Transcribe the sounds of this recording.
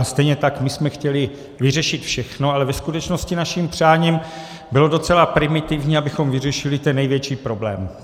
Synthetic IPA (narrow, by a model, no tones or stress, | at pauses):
st̪ɛjɲɛt̪akmɪsmɛxcɛlɪ | vɪrɛʃɪt̪fʃɛxnoalɛvɛskut̪ɛt͡ʃnoscɪnaʃimpr̝̥aːɲiːm | bɪlo̞dot͡sɛlapɾɪmɪt̪ɪvɲiːabɪxo̞mvɪrɛʃɪlɪt̪ɛnːɛjvjɛt͡ʃiːpɾo̞blɛ̰ːm